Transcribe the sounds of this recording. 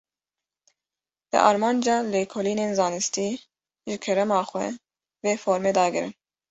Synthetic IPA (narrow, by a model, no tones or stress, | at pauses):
d̪̥ɨ̰ʔɑ̰ɾmɑːnd͡ʒɑːleːkʰoliːneːnzɑːnɨst̪iː | ʒɪkʰɛɾɛmɑːxʷɛ̰ | veːfoːɾmeːd̪ɑːɡɨɾɨ̰n